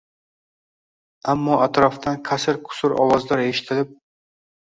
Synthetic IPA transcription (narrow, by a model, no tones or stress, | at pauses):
amːɒʔat̪ɾɒft̪ʰanqʰasɪɾqʰʊ̥sʊɾʔɒ̰wɒzlaɾeʃɪ̥t̪ʰɪlɪp̚